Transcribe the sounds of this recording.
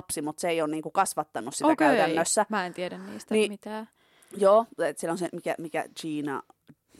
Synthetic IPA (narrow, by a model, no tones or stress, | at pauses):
psimut̪seeijonniːŋkukɑsʋɑt̪ːɑnussitoækæyt̪ænːøsːæmæːent̪ieɾænnḭːst̪ænimit̪æː | joːet̪sielːõnsemikæ̰mikæ̰t͡ʃiːnɑ̰